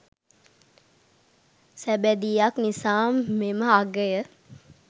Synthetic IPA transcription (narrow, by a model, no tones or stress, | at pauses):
sæbæd̪ijaknisaːmːeməaɡəjə